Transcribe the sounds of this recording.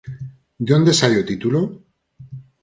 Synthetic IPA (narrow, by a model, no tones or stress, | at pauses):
d̪ond̪esajot̪it̪ulo